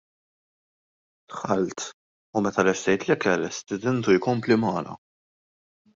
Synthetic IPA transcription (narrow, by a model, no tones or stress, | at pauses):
t̪ħɐlt̪ | umɛt̪ɐlɛʃt̪ɛjt̪lɛkɛlɛst̪ɪd̪ɛnt̪ujkɔmplimɐːlɐ̰